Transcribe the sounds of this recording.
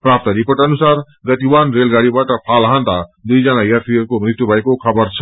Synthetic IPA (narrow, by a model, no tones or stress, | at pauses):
pɾap̚t̪ʌɾipoʈʌnusaɾ | ɡʌt̪iwanɾelɡaɽibaʈʌpʰalɦant̪ad̪ujd͡zʌnajat̪ʰiʌɾkomrit̪jubʱʌekokʰʌbʌɾt͡sʰʌ̥